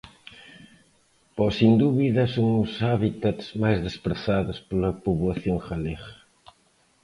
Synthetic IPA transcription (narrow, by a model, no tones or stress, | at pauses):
pɔsind̪uβiðɐsoŋʊsaβit̪at̪smajzðespɾeθaðʊspolɐpuβwɐθjoŋxaleɣɐ̥